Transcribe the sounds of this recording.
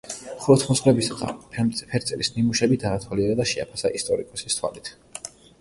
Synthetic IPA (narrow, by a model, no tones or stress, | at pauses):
χɔlɔt̪ʰχmɔsχlɛbisaχa̰pʰɛmt̪ʼpʰɛɾt̪sʼɛlisnimuʃɛbid̪aːt̪ʰwaliɛɾad̪aʃɛa̰pʰasaʔist̪ʼɔɾikʼɔsist̪ʰwa̰lit̪ʰ